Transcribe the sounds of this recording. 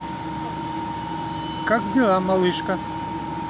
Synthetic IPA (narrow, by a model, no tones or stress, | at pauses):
kakd̪ʲɪlˠamɐlˠɨʃkɐ